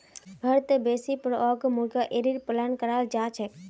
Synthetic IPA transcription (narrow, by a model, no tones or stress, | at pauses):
ɦəɾt̪ebesipəɾɔɡmuɾɡaʔeɾiɾpəlankəɾald͡ʒat͡ʃʰɛk